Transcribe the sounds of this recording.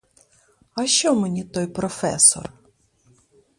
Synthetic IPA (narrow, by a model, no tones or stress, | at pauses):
ɐʃt͡ʃɔmenʲit̪ɔjpɾɔfɛ̰sɔ̰r